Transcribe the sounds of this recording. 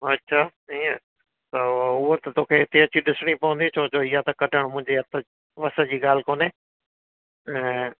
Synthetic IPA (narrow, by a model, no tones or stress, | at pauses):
ɐtːʃʰaːiːə | t̪ɐʊɦot̪ɐt̪oːkʰeɦɪt̪eɐt͡ɕʰiɗɪsɽ̃ipɐʋə̃nd̪it͡ɕʰoːd͡ʑoɪijat̪ɐkɐʈəɽ̃mʊ̃ɦɪ̃ɲd͡ʑeɐt̪ʰə | ʋɐsə̆d͡ʑiːɠaːl̤ɪkoːneː | ɛ̃ː